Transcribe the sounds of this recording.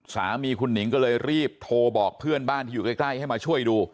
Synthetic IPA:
saː˩˦miː˧kʰu˧nːi˩˦ŋkɔː˥˩lɤː˧jɾiː˥˩p̚t̪ʰoː˧bɔː˨˩k̚pʰɯ˥˩ənbaː˥˩nt̪ʰiː˥˩uː˨˩ka˥˩klaː˥˩jha˥˩jmaː˧t͡ɕʰu˥˩əjduː˧

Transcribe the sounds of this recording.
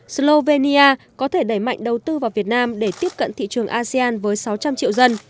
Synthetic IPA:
slo˧ve˧ni˧aː˧kɔ˨˦t̪ʰe˧˩ɗə˧˩jma̰˧˨jŋ̟ɗə˨˩wt̪ɨ˧vaː˨˩wvi˨˩ət̚naː˧mɗe˧˩t̪i˦˥əp̚kə̰˧˨nt̪ʰḭ˧˨t͡ɕɨ˨˩əŋʔaː˧si˧aː˧nvəː˨˦jsa˨˦wt͡ɕa˧mt͡ɕḭ˧əwzə˧n

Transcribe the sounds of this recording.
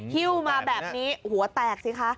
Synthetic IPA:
hi˥˩wmaː˧bɛː˨˩p̚niː˦˥hu˩˦ɐt̪ɛː˨˩k̚si˨˩kʰa˦˥ʔ

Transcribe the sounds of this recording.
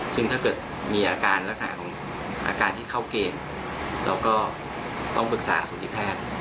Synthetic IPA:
sɯ˥˩ŋt̪ʰaː˥˩kɤː˨˩t̪̚ | miː˧ʔaː˧kaː˧nɾa˦˥k̚saː˩˦kʰɔː˩˦ŋ | ʔa̰ː˧kaː˧nt̪ʰiː˥˩k̪ʰa˥˩wkeː˧n | lɛ̰ː˦˧˥wkɔː˥˩ | t̪ɔ˥˩ŋpɯ˨˩k̚sa̰ː˩˦suː˨˩˦nt̪ʰi˦˥˩pʰɛː˥˩t̪̚

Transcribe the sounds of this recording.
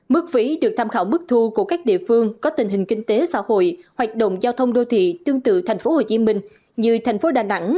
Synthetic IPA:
mɨ˦˥k̚fi˨˦ɗɨ˨˩k̚t̪ʰaː˧mxaː˧˩wmɨ˦˥k̚t̪ʰu˧ku˧˩əkaː˦˥k̚ɗḭ˧˨əfɨ˧əŋkɔ˨˦t̪ï˨˩ŋ̟ɦï˨˩ŋ̟kï˧ŋ̟t̪e˨˦sa̰ː˧˥ho̰˧˨jhwaː˨˩k̟̚ɗə̰˧˨wŋ͡mzaː˧wt̪ʰə˧wŋ͡mɗo˧t̪ʰḭ˧˨t̪ɨ˧əŋt̪ɨ̰˧˨t̪ʰa˨˩jŋ̟fo˨˦ho˨˩t͡ɕi˨˦mï˧ŋ̟ | zɨ˧t̪ʰjŋ̟fo˨˦ɗaː˨˩na˧˥ŋ

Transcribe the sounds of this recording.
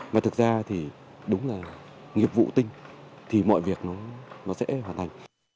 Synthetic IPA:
maː˨˩ɨ˨˩k̚zaː˧t̪ʰi˨˩ | ɗʊ˨˦ŋ͡mlaː˨˩ | ŋi˨˩əp̚vṵ˧˨t̪ï˧ŋ̟ | t̪ʰi˨˩mɔ̰˧˨jvi˨˩ək̚nɔ˨˦nɔ˨˦sɛ̰˧˥ɦwaː˨˩nt̪ʰa˨˩ŋ̟

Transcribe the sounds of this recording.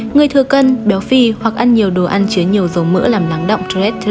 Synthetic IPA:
ŋɨ˨˩əjt̪ʰɨ˨˩əkə˧nɓɛ˨˦wfi˧hwa˨˩k̚ʔa˧nɲi˨˩əwɗo˨˩ʔa˧nt͡ɕi˨˦əɲi˨˩əwzə˨˦wmɨ̰˧˥laː˨˩mlaː˨˦ŋɗə̰˧˨wŋ͡mt̪ːɛ˦˥t̪ʰː

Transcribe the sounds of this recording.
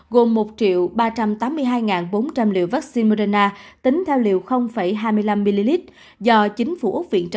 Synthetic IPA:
ɣo˨˩mːo˨˩t̚t͡ɕḭ˧˨əwɓaː˧t͡ɕa˧mt̪aː˨˦mːɨ˧əjɦaː˧jŋaː˨˩nɓo˨˦nt͡ɕa˧mlḭ˧˨əwvaː˦˥k̚si˧nmo˧ɾa˧naː˧t̪ï˨˦ŋ̟t̪ʰɛ˧wlḭ˧˨əwxə˧wŋ͡mfə˧˩jɦaː˧jmɨ˧jla˧mːi˧li˧li˦˥t̚ | zɔ˧t͡ɕï˨˦ŋ̟fu˧˩ʔa˦˥k͡p̚vḭ˧˨ənt͡ɕə˧

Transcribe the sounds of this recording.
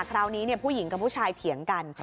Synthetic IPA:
kʰɾaː˧wniː˦˥ni˥˩ɐpʰuː˥˩ji˩˦ŋka˧pʰuː˦˥˩t͡ɕʰaː˧jt̪ʰi˩˦əŋka˧n

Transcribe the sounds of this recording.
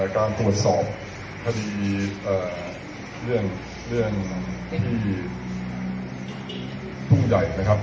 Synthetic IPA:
kaː˧nt̪ɾu˨˩ət̪̚sɔː˨˩p̚ | kʰa˧diː˧ʔaː˨˩ | ɾɯ˥˩ən | ɾɯ˥˩ənt̪ʰiː˥˩ | p̪ʰu˥˩ŋja˨˩jma˦˥kʰa˦˥

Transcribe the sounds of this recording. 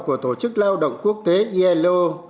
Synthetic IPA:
ku˧˩ət̪o˧˩t͡ɕɨ˦˥k̚laː˧wɗə̰˧˨wŋ͡mku˦˥ək̚t̪e˨˦ʔi˧ʔɛ˧lo˧

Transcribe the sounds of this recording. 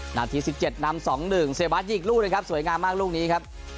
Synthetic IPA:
naː˧t̪ʰiː˦˥si˨˩p̚t͡ɕe˨˩t̪̚na˧msɔː˩˦ŋnɯ˨˩ŋse˨˩˦baː˦˥t̪̚jiː˨˩k̚luː˥˩n˧kʰa˦˥p̚su˩˦jŋaː˧mːaː˥˩k̚luː˥˩k̚niː˦˥kʰa˦˥p̚

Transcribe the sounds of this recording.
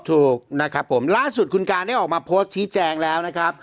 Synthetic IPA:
t̪ʰuː˨˩k̚na˦˥kʰɾa˦˥pʰːo˩˦mlaː˥˩su˨˩t̪̚kʰu˧nkaː˧nda˥˩jʔɔː˨˩k̚maː˧pʰoː˦˥st̪̚t͡ɕʰiː˦˥t͡ɕɛː˧ŋlɛː˦˥wna˦˥kʰɾa˦˥p̚

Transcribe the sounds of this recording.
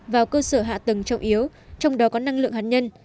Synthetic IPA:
vaː˨˩wkəː˧səː˧˩ɦa̰ː˧˨t̪ɨ˨˩ŋt͡ɕə˨˩wŋ͡mʔi˨˦əw | t͡ɕɔ˧wŋ͡mɗɔ˨˦kɔ˨˦na˧ŋlɨ̰˧˨əŋɦaː˨˩ɲə˧n

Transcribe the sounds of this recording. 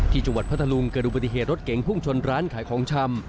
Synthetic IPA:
t̪ʰiː˥˩t͡ɕa˧ŋwa˨t̪̚pʰa˥t̪ʰlu˧ŋkɤː˧˩nʔu˨˩ba˧t̪i˧˩ɦeː˨˩t̪̚ɾo˦˥t̪̚ke˩˦ŋpʰu˥˩ŋt͡ɕʰo˧nɾaː˦˥nkʰaː˩˦jkʰɔː˩˦ŋt͡ɕʰa˧m

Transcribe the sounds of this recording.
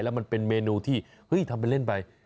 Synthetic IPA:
jlɛː˦˥wma˧npe˧nmeː˧nuː˧t̪ʰiː˥˩ | hɤ˦˥jt̪ʰa˧mp̬a˧jle˥˩npa˧j

